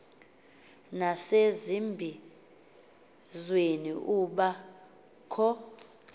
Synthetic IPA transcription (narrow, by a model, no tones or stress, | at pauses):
nasezimbʱi | zwenḭʔuɓa | kʰɔ